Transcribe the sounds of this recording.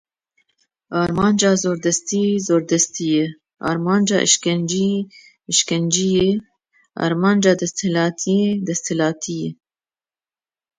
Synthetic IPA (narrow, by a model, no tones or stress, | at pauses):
ɑːɾmɑːnd͡ʒɑːzoːɾd̪ɛst̪iːzoːɾd̪ɛst̪ijɛ | ʔɑ̰ːɾmɑːnd͡ʒɑːʔɨ̰ʃkɛnd͡ʒi | ʃkɛnd͡ʒije | ɑ̰ːɾmɑːnd͡ʒɑːd̪ɛst̪hɪlɑːt̪ʰijed̪ɛst̪hɪlɑːt̪ʰijɛ